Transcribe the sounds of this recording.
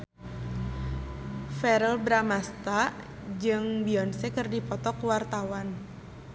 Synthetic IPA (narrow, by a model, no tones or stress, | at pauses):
fɛɾəlbɾamast̪a | d͡ʒɨŋbiɔnsɛkərdipɔt̪ɔkuwart̪awan